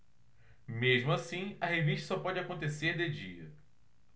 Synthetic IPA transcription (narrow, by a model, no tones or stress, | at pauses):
meʒmʊasĩɐɦeviʃt̪ɐsɔpɔd͡ʒɪakõnt̪eseɾd̪ed͡ʒiɐ̰